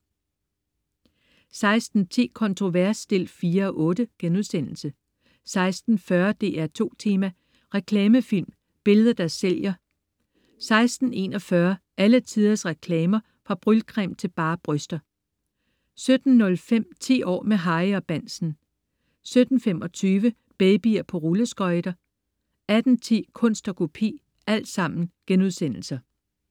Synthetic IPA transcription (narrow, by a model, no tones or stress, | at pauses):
sɑ̈ɪsd̥n̩t͡sʰe̝̰ːkʰɒ̽nt͡sʰʁo̝ʋæɐsd̥e̝l̰fiːɐɒʔɔ̽ːd̥əɡ̥enuð̞ˠsen̰l̩sə | sɑ̈ɪsd̥n̩fɶɐd̥e̝̰ːæɐt͡sʰo̝̰ːt͡sʰe̝ːmæ | ʁɛkʰlɛːməfil̰m | b̥e̝ləðˠɐd̥æɐsːel̰jɐ | sɑ̈ɪsd̥n̩e̝ːnɒ̽fɶɐ | ʔælət͡sʰið̞ˠɐsʁɛkʰlɛːmɐ | fʁɑ̈b̥ʁylkʰʁɛmt͡sʰe̝lb̥ɑ̈ːb̥ʁœsd̥ɐ | sød̥n̩ːɔ̽lfem̰t͡sʰḭːɒ̰ːmeɦɑ̈ɪɒb̥æn̰sn̩ | sød̥n̩femɒ̽t͡sʰyːʋə | b̥eɪb̥iɐpʰɒ̽ʁuləsɡ̥ɒ̽ɪd̥ɐ | æd̥n̩t͡sʰḭːkʰɔ̽n̰sd̥ɐkʰo̝pʰḭː | æl̰d̥sɑ̈m̰n̩ɡ̥enuðˠsen̰l̩sɐ